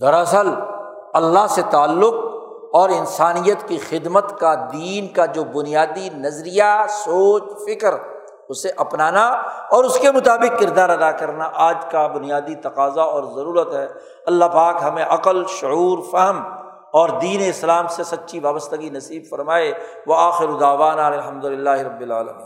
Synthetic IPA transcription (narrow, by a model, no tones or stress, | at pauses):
d̪ɐɾəsəl | ɐlːaɦset̪aːlːʊq̚ | ɔːɾɪnsaːnijət̪kixɪd̪mət̪kad̪iːnkad͡ʒoːbʊnijaːd̪inɐzɾijasoːt͡ʃfɪkəɾ | ʊseʔɐpnaːnaɔːɾʊskemʊt̪aːbɪq̚kɪɾd̪aːɾɐd̪akɐɾnaʔaːd͡ʒkabʊnijaːd̪it̪ɐqaːzaɔːɾzɐɾuːɾət̪ɦɛː | ɐlːapaːkɦɐmẽʔɐqəlʃʊuːɾfɛɦəm | ɔːɾd̪iːneɪslaːmsesɐt̪ːʃʰiʋaːbəst̪əɡinɐsiːbfɐɾmaːe | ʋɐaːxɪɾod̪aːʋaːnalelɦɐmd̪ʊlɪlːaːɦiɾɐbːɪlaːlɐ̰mḭ̃ːn